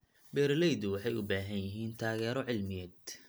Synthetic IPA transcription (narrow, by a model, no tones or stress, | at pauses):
bɛːɾlɛjd̪ʊwɑħɑjʊbaːɦɐnjɪɦiːnt̪ʰaːɣɛːɾɔʕɪlmɪjɛːd̪̥